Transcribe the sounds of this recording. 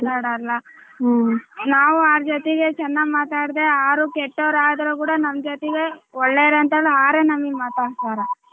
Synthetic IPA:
t̪aːɽalːɐ | naːʋuaːɾd͡ʒot̪ɛɡe̞t͡ʃɛnːaɡmaːt̪aːɽd̪e̞aːɾukɛʈːoʋɾaːd̪ɐɾukuːɽanɐmd͡ʒot̪eɡeɔɭːeːɾeɐnt̪eːɭiaːɾeːnɐmːiɡmaːt̪aːɽst̪aːɾɐ

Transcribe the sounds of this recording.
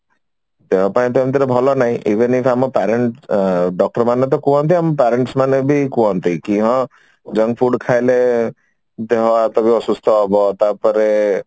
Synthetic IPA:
t̪eɦɔpaĩt̪̬uamt̪̬iɾɔbʱɔlɔnaɦĩʔiʋenipʰamɔpɛɾeɳʈɖɔk̚ʈɔɾmanet̪̬ɔkũɦɔ̃nt̪iamɔpɛɾeɳʈsmanebʱikũɦɔnt̪ikĩɦɔ̃ | d͡ʒəŋɡpʰuɖkʰajle | d̪eɦɔat̪ɔbʱiɔsust̪ʰɔɦɔbɔt̪apɔɾe

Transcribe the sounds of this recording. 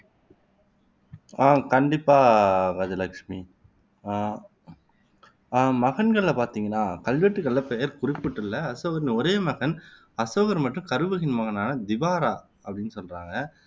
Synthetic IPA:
aːkɐɳɖɪpːaːɡɐd͡ʒɐlɐkʂmi | mɐɣɐnɡɐɭlɐpaːɾt̪iːŋɡɐnːaːkɐlʋɐʈːɯkɐlːɐpːejɐɾkʊɾɪpːɯʈːɯlːɐɐsoːɣɐɾnɯɔɾeːmɐɣɐn | ɐsoːɣɐɾmɐʈrɯ̃kɐɾɯʋɯɣɪnmɐɣɐnaːnɐd̪ɪʋaːɾaː | ɐpːɐɽɪnːɯsɔlraːŋɡɐ

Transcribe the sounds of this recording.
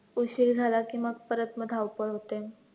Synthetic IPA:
uɕikd͡zʱalakĩw̃ʋaɡ̚pəɾət̪məd̪ʱawpəɭɦot̪e

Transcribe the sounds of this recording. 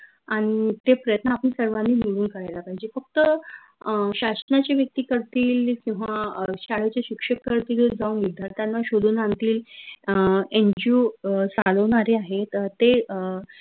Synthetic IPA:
aɽ̃it̪epɾəjət̪nəaːpəñisəɾʋanːiːmiɽuːnkəɾajlapaɦid͡ʑefək̚t̪ə | ɕaɕnat͡ɕjaʋjək̚t̪iːkəɾt̪iːlkĩw̃ʋaɕaɭet͡ɕjaɕikʂəkːəɾt̪iːld͡zauːnʋid̪ʱjaɾt̪janːaɕod̪ʱuːnant̪iːl | eɲd͡ʑut͡saləʋɳaɾeaɦet̪t̪ːe

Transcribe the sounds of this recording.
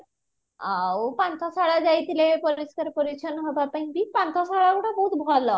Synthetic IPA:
awpãnt̪ʰasaɭad͡zajt̪ilepoɾiskəɾpoɾit͡ɕʰənɦobapəĩbipãnt̪ʰasaɭakuʈãbout̪bʱɔlɔ

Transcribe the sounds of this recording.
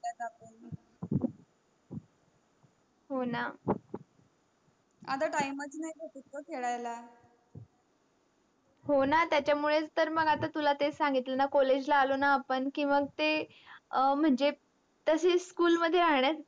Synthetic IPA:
at̪apən | ɦona | a̰t̪aʈaimət͡sinaikʰəʈut̪̚kəkʰeɭajla | ɦonat̪jat͡ɕjamuɭet͡st̪əɾməɡat̪at̪ulat̪esãŋɡit̪lənakɔled͡ʑlaːlonaːpəɳkĩːʋəɡt̪e | m̤əɳd͡ʑe | t̪əseskuːlməd̪ʱːjeɾaɦɳjat͡s

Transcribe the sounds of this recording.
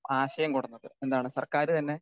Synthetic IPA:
aːɕɐjɐmkoɽɐnːɐðɨ̰e̞nd̪aːɳɨsɐrkaːɾɨt̪ɐnːe̞

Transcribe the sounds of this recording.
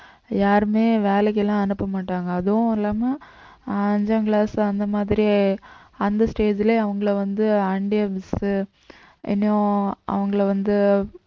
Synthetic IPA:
jaːɾɯmeːʋeːlɛk̬ːɛlːãːɐnɯpːɐmaːʈːaːŋɡɐːðɯʊ̃ɪlːaːmɐ | ɐɲd͡ʒɐːŋɡɭaːsɐnd̪ɐmaːðɪɾi | ɐnd̪ɐsʈeːd͡ʒɪleɐʋɐŋɡɐɭʋɐnd̪ɯɐɳɖɪɐbɪsɯ | ʔɪ̰nːõʔɐ̰ʋɐŋɡɐɭɐʋɐnd̪ɯ

